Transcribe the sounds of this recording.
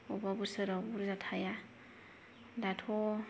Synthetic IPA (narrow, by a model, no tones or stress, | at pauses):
ɔbabusɔɾɔbuɾzatʰaja | datʰɔ